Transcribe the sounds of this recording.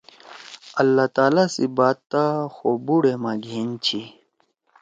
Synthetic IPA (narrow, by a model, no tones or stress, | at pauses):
ɐlːat̪aːlasibaːt̪t̪ːaxobuɽemaɡʱeːnt͡ɕʰi